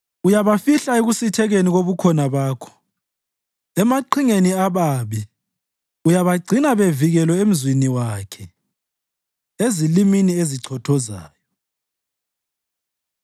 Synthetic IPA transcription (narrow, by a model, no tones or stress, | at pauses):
ujaβafiɬaeɣusitʰɛɣeniɣoβukʰɔnaβaːkʰɔ̥ | ɛmaǀʰiŋeniaβaːβi | ujaβaɡ͡ǀʱinaβeviɣɛlɔem̩zwiniwakʰɛ | eziliminieziǀʰɔtʰɔza̰ːjɔ